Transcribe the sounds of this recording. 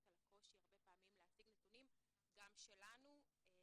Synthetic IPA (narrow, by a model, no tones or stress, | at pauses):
talakʰo̞ʃiaʁbe̞paːmimleasiɡnetunim | ɡamʃelanu